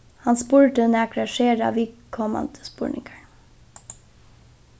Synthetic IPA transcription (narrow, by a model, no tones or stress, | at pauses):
hɑnspuːɹʈəneːɑkɾɑʃeːɾɑ̰ːʋɪkʰɔmɑ̰nd̪ə̥spṵːɹɳɪ̰ŋɡəɳ